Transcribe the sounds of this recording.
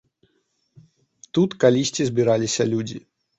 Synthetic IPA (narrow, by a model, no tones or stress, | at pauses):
t̪ut̪kalʲisʲt͡sʲizʲbʲiɾalʲisʲɐlʲud͡zʲḭ